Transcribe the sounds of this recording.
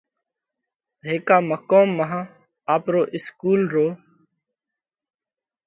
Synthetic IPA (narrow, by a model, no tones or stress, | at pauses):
ɦeːkaːməkoːmːəɦãː | aːpɾoːʔɪskuːlɾoː